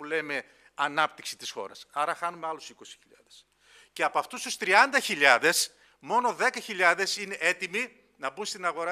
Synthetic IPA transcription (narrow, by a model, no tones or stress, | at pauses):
uleme̞ | ɐnɐp̚t̪iksi̥t̪isxo̞̰ɾɐ̰sɐɾɐxɐnumeɐlusiko̞si̥çiʎɐ̰ðes | ce̞ɐpoɐft̪ust̪ust̪ɾiɐnd̪ɐçiʎɐðe̞s | mo̞no̞ðe̞kɐçiʎɐðe̞sine̞ʔe̞t̪imi | nɐbunst̪inɐɣo̞ɾɐ